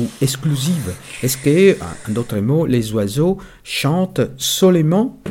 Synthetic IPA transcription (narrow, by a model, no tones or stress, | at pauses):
uɛksklyzivɛskə̰ɛ̰̃d̪ot̪χəmolezwazo | ʃɑ̃t̪sɔlemɑ̃